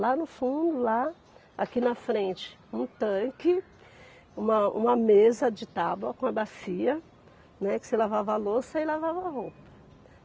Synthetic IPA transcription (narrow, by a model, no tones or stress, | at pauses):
lanʊfũd̪ʊla | akinɐfɾẽt͡ʃɪ̥ | ũt̪ɐ̃kɪ | ũmɐṵ̃mɐmezɐd͡ʒɪt̪abwɐkõɐbasiɐ | nɛkɪ̥selavavalosɐɪlavavɐɦowpɐ̥